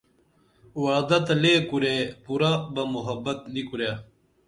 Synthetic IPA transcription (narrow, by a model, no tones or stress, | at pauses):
waːd̪ɐt̪ɐleːkuɾeːpuɾabɐmuɦɐbːɐt̪̚nikuɾja